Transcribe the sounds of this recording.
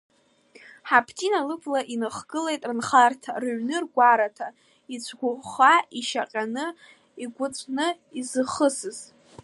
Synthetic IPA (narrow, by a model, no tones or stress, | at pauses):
ħapʰtʰʼinalɨpʰʼlaʔinɨχɡɨle̞jtʼrɨnχartʰa̰rɥnɨrɡʷaɾatʰa | it͡sʷʰɡʷʊχaiʃaqʲʼanɨ | iɡʷʊt͡sʷʼʰnɨ | izɨχəsɨz̥